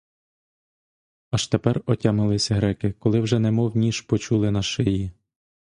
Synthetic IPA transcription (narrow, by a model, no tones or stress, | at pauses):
ɐʃt̪epɛrɔtʲamɪlˠɪsʲɐɦɾɛkɪkɔlˠɪwʒɛnɛmɔwnʲiʃpɔt͡ʃulˠɪnɐʃɪji